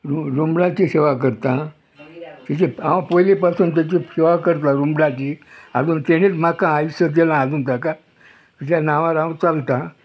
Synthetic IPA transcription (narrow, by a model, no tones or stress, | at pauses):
ɾuɾumbɭãt͡ɕiɕeʋak̬əɾt̪ã | t̪it͡ɕĩãʋãpojlipasuːnt̪̬jat͡ɕiɕeʋakəɾt̪ãɾũmbɭat͡ɕia̰d͡zuːnt̪eɽ̃etmakãajsəd̪elãːd͡zuːnt̪aka | t̪it̪anaʋaɾãʋt͡salt̪ã